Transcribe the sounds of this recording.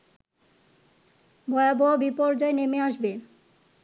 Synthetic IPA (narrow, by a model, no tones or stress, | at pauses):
bɔeabɔabipɔɾd͡ʑaenemeaʃbe